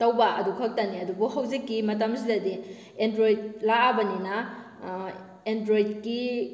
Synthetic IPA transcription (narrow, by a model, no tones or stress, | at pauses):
tɐwbaʔɐ̰dukʰɐk̚taniɐdubuɦɐwzikːimɐt̬amsidɐdi | endɾojid̚laabɐnina | endɾojid̚ki